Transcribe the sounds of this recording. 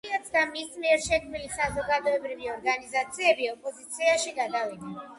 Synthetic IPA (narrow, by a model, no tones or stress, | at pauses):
at̪sʰd̪amismiɛɾʃɛkʰmilisazɔɡad̪ɔɛbɾiviɔɾɡanizat̪sʰiɛbiɔpʼɔzit̪sʰiaʃiɡad̪avinɛ